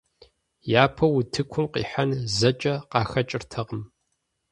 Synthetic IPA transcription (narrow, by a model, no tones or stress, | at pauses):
jaːpʰɐwutʰɨkʷʰʊmqḭːħanzɐt͡ʃʼɐqɑːxɐt͡ʃʼɪrtʰɐʁəm